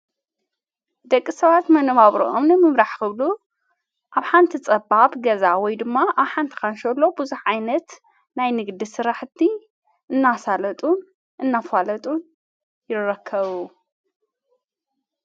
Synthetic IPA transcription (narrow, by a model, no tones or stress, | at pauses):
d̪ɐkʼːisɐβat̪mɐnβaβɾḭʔomnɨmɨmɾaħkɨβlu | ʔaβħant̪ʰit͡sʼɐbaβɡɐzawɔjd̪ɨmːaʔaβħant̪ʰi̥kanʃɐlːo̞bɨzuħajnɐt̪ | najnɨɡd̪isɨɾaħt̪ʰːi | ʔɨnːasalɐt̪ʼun | ʔɨnːafalɐt̪ʼun | jɪrɐkʰːɐβu